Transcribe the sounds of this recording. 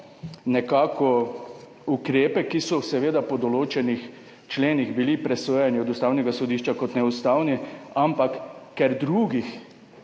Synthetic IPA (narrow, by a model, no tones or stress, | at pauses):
nɛkaːkʰɔ | ukɾeːpɛkisɔsɛʋeːd̪apɔd̪ɔloːt͡ʃɛnix | t͡ʃleːniɣbilipɾɛsoːjaniɔd̪ust̪aːwnɛɡasɔd̪iːʃt͡ʃakɔt̪nɛust̪aːwniampakːɛɾd̪ɾuːɡix